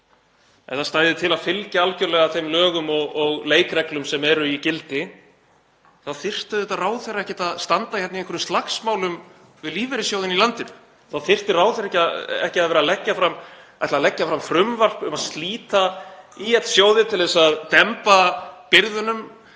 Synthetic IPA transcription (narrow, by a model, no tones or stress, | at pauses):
ɛ̰nθaðst̪aːjðɪt̪ʰɪlaðfɪlcaalcœɾlɛɣaθejmlœːɣʏmɔɣɔɣleːjkɾɛklʏmsɛmɛɾʏicɪlt̪ɪ | θaðθɪr̥t̪ðɛt̪araːwθɛjɾaɛhcɛt̪aðst̪ant̪ajʰɛt̪ɪeŋkvɛɾʏmst̪laxsmaːwlʏm | vɪðliːvɛɾɪsjowðɪnilant̪ɪn | θaðθɪr̥t̪ɪraːwθɛɾɛhcaɛ̰hcɪaðvɛːɾalɛcːafɾam | at̪lalɛcːafɾamfɾʏmvar̥pʏmaðst̪liːt̪aiɛt̪l̥sjoːwðɪt̪ʰɪlðɛsaðt̪ɛmpapɪɾðʏnʏm